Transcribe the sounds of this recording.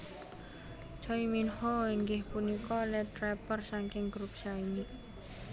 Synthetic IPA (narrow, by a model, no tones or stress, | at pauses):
t͡ʃɔiminhɔiŋɡɪhpunikɔlɛt̪ɾɛpərsaŋkɪŋɡɾup̚saini